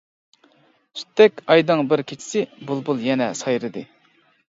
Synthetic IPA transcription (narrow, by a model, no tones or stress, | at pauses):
sʰy̥t̪ʰːɛkʲɑjd̪ɨŋbɪɾkʲʰet͡ʃʰi̥sɪbulˠbulˠjɛnɛsɑjɾɨd̪ɨ